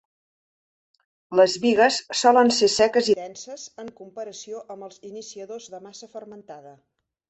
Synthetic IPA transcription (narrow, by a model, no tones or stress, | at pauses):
ləzβiɣəsːɔlənsesɛkəziðɛnsəzəŋkumpəɾəsioʔəmbəlˠzinisiəðozðəmasəfərmənt̪aðə